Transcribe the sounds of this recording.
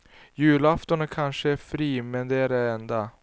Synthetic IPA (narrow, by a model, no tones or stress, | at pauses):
jʉ̟ːlaft̪ɔnəkʰanʂəæɾfɾiːmɛnd̪ɛæɖɛɛnd̪a